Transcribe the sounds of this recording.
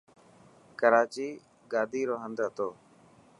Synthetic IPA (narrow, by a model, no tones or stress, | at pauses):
kəɾaːt͡ʃiː | ɡaːd̪ʱiːɾoːɦə̃nd̪ɦət̪oː